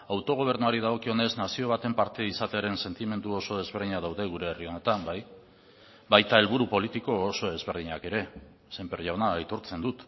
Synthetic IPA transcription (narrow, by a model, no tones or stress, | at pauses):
awt̪o̞ɣ̞o̞β̞e̞ɾnuaɾið̞aɣ̞o̞kio̞ne̞znasio̞β̞at̪e̞mpaɾt̪iisat̪eaɾe̞nse̞nt̪ime̞nd̪uo̞so̞ð̞e̞zβe̞ɾðiɲaðawðe̞ɣ̞uɾe̞ːrio̞ne̞t̪ambaj | bajt̪aelβuɾupo̞lit̪iko̞ːso̞ðe̞zβe̞ɾð̞iɲake̞ɾe̞ | sempeɾʝawnait̪o̞ɾt͡se̞nd̪ut̪